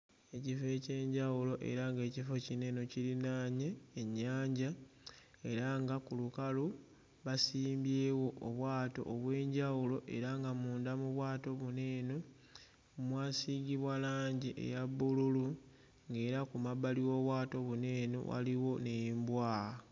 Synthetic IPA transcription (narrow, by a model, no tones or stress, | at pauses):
e̞cife̞ce̞ːɲɟawulo̞ʔe̞̰ɾaŋɡe̞ːcifo̞cine̞no̞ciɾinaɲeːɲːaːɲɟa | e̞ɾaŋɡakulukalu | βasiːmbje̞ːwo̞ʔːβwaːto̞̰ʔːβwe̞ːɲɟawulo̞ʔe̞ɾaŋɡamuːndamuβwaːto̞βune̞ːno | mwaːsiɡiβwalaːɲɟiʔe̞̰jaβːululu | ŋɡe̞ːɾakumaβaliwo̞ːβwaːto̞βune̞ːno̰wa̰liwo̞ne̞jimbwaːa